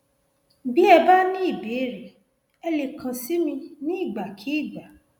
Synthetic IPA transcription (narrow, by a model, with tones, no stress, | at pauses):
bi˦ɛ˧ba˦nĩ˦i˦˨be˨˦ɾe˨ | ɛ˧le˨kʰã˨si˦mĩ˧nĩ˦i˦˨ɡ͡ba˨kʰi˨˦i˦˨ɡ͡ba˨